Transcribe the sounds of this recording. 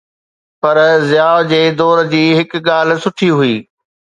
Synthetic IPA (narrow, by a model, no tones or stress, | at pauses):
pɐɾzjaːʋd͡ʑeːd̪ɔːɾd͡ʑiːɦɪkɠaːl̆sʊʈʰiɦʊiː